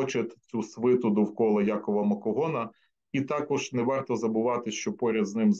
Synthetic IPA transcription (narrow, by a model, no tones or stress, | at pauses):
t͡ʃɪt̪t͡sʲusʋɪt̪ʊd̪ʊwkɔlˠɐjɑkɔʋɐmɐkɔɦɔnɐ | it̪ɑkɔʒnɛʋɑrt̪ɔzɐbʊʋɑt̪ɪʃt͡ʃɔpɔɾʲɐd̪znɪmz